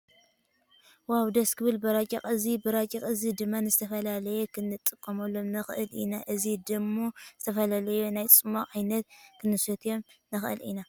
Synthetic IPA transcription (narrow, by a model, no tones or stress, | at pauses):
wawd̪ɐskʰɨβɨlbɨɾat͡ʃʲʼiχʼɨzibɨɾat͡ʃʼikʼɨzid̪ɨmːanɨzɨt̪ʰɐfɐlalɐjekʰɨnɨt̪ʼːɨkʼːɐmɐlːo̞mnɐxʔɨlinaʔɨzid̪ɨmːoz̥ɨt̪ʰɐfɐlalɐjunajt͡sʼɨmaʔajnɐt̪̚kʰɨnɨsɐt̪ʰjo̞mnɐxʔɨ̰lḭna